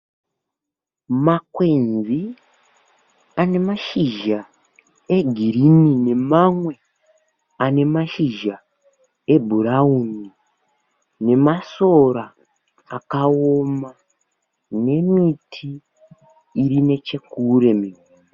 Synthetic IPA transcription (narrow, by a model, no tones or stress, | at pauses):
makwenzi | ane̞maʃiʒa | e̞ɡʱiɾinine̞mamwe̞ | ane̞maʃiʒa | e̞bʱuɾauni | ne̞maso̞ɾaː | kaoma | ne̞mitʰiː | ɾine̞t͡ʃe̞kuɾe̞miu